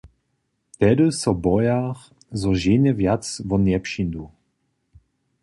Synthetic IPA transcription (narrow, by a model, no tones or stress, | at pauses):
t̪ɛdəsɔbɔjax | zɔʒenɛvjatt͡svɔnjɛpʃind̪u